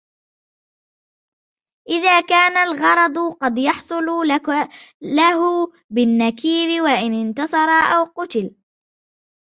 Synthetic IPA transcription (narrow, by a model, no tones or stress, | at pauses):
ʔɪðaːkaːnalɣɑɾˤɑd̪ˤqɑd̪jɑħsˤʊl | lahʊ | bɪnːakiːɾɪwaʔɪnɪnt̪ɑsˤɑɾˤɑʔawqʊt̪ɪl